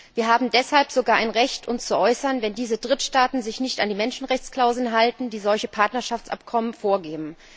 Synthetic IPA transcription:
viːɐɦaːbm̩dɛshalpz̥oɡaːɐʔaɪnʁɛçtʰʊnst͡suʔɔʏsɐnvɛndiːzədʁɪtʃtaːtn̩zɪçnɪçtandiːmɛnʃn̩ʁɛçt͡skl̥aʊzl̩nɦaltn̩diːzɔlçəpʰaɐtnɐʃaft͡sʔa̰pkʰɔmənfoːɐɡeːbm̩

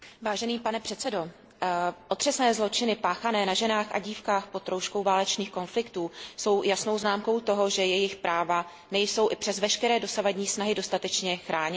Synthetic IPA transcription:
vaːʒɛniːpanɛpr̝̥ɛt̪t͡sɛdo̞ | ʔo̞t̪r̥ɛsnɛːzlo̞t͡ʃɪnɪpaːxanɛːnaʒɛnaːxa̰ɟiːfkaːxpo̞t̪ɾowʃkowvaːlɛt͡ʃniːxko̞nflɪkt̪uːso̞wjasno̞wznaːmko̞wt̪o̞ɦo̞ʒɛjɛjɪxpɾʔaːva | nɛjso̞wʔɪpr̥ɛzvɛʃkɛɾɛːdo̞savadɲiːsnaɦɪdo̞st̪at̪ɛt͡ʃɲɛxɾaːɲɪ

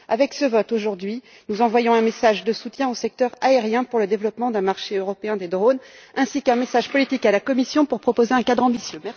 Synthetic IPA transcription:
avɛksəvɔt̪oʒuʁd̪ɥi | nuzɑ̃vwajɔ̃ɛ̃mesaʒd̪əsut̪jɛ̃osɛk̚t̪œʁaeʁjɛ̃puʁləd̪evlɔpmɑ̃d̪ɛ̃maʁʃeøʁɔpeɛ̃d̪ed̪ʁonɛ̃sikɛ̃mesaʒpɔlit̪ikalakɔmisjɔ̃puʁpχɔpozeɛ̃kad̪ʁɑ̃bisjømɛ

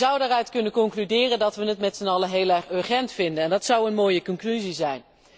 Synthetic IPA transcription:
zʌwdaːrœɥtkɵnənkɔŋklydɪːrəndɑtʋənətmɛtsənɑləɦeːlɛɹχøɹχɛntfɪndənɛndɑtsʌwənmoːjəkɔŋklyzizɛjn

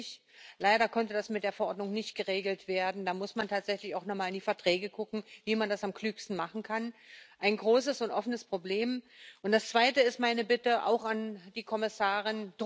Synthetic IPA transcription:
ç | laɪɾɐkʰɔntədasmɪtd̥eːɐfɛɐʔɔɐdnʊŋnɪçtɡ̥əʁeːɡl̩tv̥eːɐdn̩daːmʊsmantʰaːtz̥ɛçlɪçaʊxnɔχmaːlɪndiːfɛɐtʁ̥ɛːɡəɡʊkŋ̩viːmandasamklyːkstn̩maχn̩kʰanʔaɪnɡʁoːs̬əsʊntʔɔfənəspʁ̥obleːmʔʊntd̥ast͡sv̥aɪtəɪst̚maɪnəbɪtəʔa̰ʊxand̥iːkʰɔmɪsaːʁ̞ɪnd̥

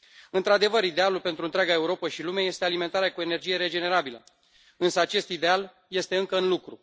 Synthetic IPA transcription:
ɨnt̪ɾad̪e̞vəɾid̪e̞alulpe̞nt̪ɾunt̪ɾʲaɡae̞uɾo̞pəʃilumeeje̞st̪ealime̞nt̪aɾeakue̞ne̞rd͡ʒije̞ɾe̞d͡ʒe̞ne̞ɾabilə | ɨnsəat͡ʃe̞st̪id̪e̞al | je̞st̪e̞ɨŋkəɨnlukɾu

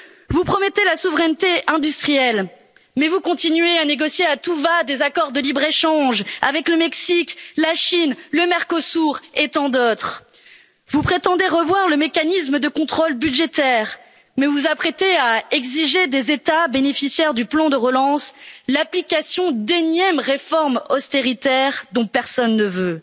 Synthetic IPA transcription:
vupχɔmɛt̪elasuvʁɛnt̪eɛ̃d̪yst̪χijɛl | mɛvukɔ̃t̪inɥeaneɡɔsjeat̪uvad̪ezakɔʁd̪əlibʁeʃɑ̃ʒa̰vɛkləmɛksiklaʃinləmɛʁkosuʁet̪ɑ̃d̪ot̪χ | vupχet̪ɑ̃d̪eʁəvwaʁləmekanisməd̪əkɔ̃t̪χolbyd̪ʒet̪ɛʁ | mɛvuzapχet̪eaɛɡziʒed̪ezet̪abenefisjɛʁd̪yplɑ̃d̪əʁəlɑ̃slaplikasjɔ̃d̪enjɛmʁefɔʁmɔst̪eʁit̪ɛʁd̪ɔ̃pɛʁsɔnːəvø

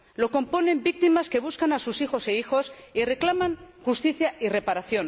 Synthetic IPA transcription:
lo̞ko̞mpo̞ne̞mbik̚t̪imaske̞β̞uskanasusixo̞seixo̞sire̞klamãŋxust̪iθjaire̞paɾaθjo̞n

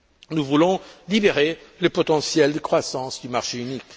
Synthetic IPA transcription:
nuvulɔ̃libeʁeləpɔt̪ɑ̃sjɛld̪əkχwasɑ̃sd̪ymaʁʃeynik

